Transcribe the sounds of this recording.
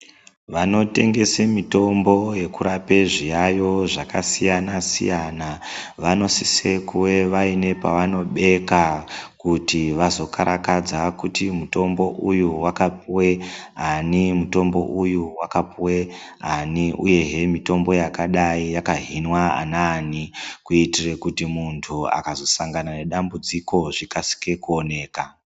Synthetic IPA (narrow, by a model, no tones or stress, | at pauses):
ʋano̞te̞ŋɡe̞semito̞mbo̞je̞kuɾape̞ʐijajo̞ʐakasijanasḭjanaʋano̞sisekuwe̞ʋaine̞pa̰ʋano̞ɓe̞kakutiʋazo̞kʰaɾakad͡zakutimuto̞mbo̞ʔujuwakap̚iwe̞ɦanimuto̞mbo̞̰ʔujuwakapuwe̞ | ɦaniʔṵje̞ɦe̞mito̞mbo̞jakaɗaijakaɦinwaa̰naːnikuitire̞kutimuntʰua̰kazo̞saŋɡanane̞ɗambud͡ziko̞ʐikasi̥ke̞kuo̞ne̞ːka